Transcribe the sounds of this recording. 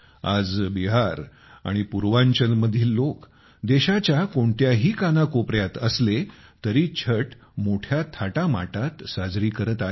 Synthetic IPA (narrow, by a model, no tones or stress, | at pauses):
a̰d͡zbiɦaɾ | a̰ɽ̃ipuɾʋãɲt͡ɕənməd̪ʱiːllok | d̪eɕat͡ɕjakoɳt̪jaɦiːkanakopɾjat̪əslet̪əɾiːt͡ɕʰəʈ | moʈʰjat̪ʰaʈama̰ʈat̪sad͡zɾiːkəɾət̪a